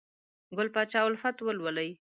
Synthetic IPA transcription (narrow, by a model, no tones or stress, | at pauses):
ɡʊlpɑt͡ʃɑwʊlfat̪wəlwaləj